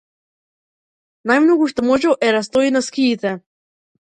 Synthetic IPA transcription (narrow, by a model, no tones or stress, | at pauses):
najmnɔɡuʃt̪omɔʒɛʔɛɾas̬t̪ɔinaskiːt̪ɛ